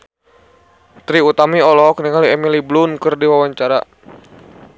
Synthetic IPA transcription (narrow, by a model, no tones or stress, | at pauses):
t̪ɾiut̪amiɔlɔk̚niŋaliɛmiliblunkɨrdiwawaɲt͡ʃaɾa